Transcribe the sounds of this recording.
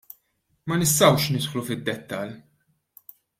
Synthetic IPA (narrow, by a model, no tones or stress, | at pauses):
mɐnɪst̪ɐwʃnɪt̪ħlufɪd̪ːɛt̪ːɐl